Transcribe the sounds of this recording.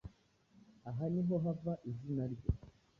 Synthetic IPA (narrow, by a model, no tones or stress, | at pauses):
aɦaniɦɔɦavaʔizinalɡɔ